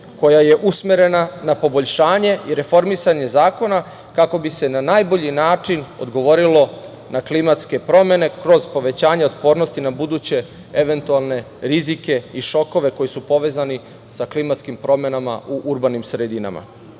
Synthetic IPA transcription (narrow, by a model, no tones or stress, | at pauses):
ko̞jaje̞ʔusmeɾe̞nanapo̞bo̞ʎʃaːɲe̞ʔiɾe̞fo̞ɾmisaɲe̞zaːko̞na | kako̞bise̞nanaːjbo̞ʎinaːt͡ʂino̞̰d̪ɡo̞ʋo̞ɾilo̞ | naklimat̪ske̞pɾo̞me̞ne̞kɾo̞zpo̞ʋe̞t͡ɕaːɲeo̞t̪po̞ːɾnost̪inabud̪uːt͡ɕe̞ | eʋe̞nt̪ualˠne̞ | ɾizike̞iʃo̞ko̞ʋe̞ko̞jisupo̞ʋe̞ːzani | saklimat̪skimpɾo̞me̞nama̰uʔuɾbanimsɾed̪ina̰ma̰